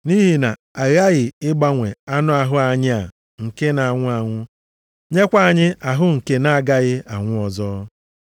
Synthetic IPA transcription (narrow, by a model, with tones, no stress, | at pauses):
ni˦ɦi˨na˨ | a˨ɾa˦ɣɪ˨ɪ˦ɡ͡ba˦ŋʷe˨a˦nʊ˦a˨ɦʊ˦a˨ɲɪ˦a˨ | ŋ̩˨ke˦na˨ŋʷʊ˦a˨ŋʷʊ˦ | ɲe˦kʷa˦a˨ɲɪ˦a˨ɦʊ˦ŋ̩˨ke˦na˦a˨ɡa˦ɣɪ˦a˨ŋʷʊ˦ɔ˨zɔː˦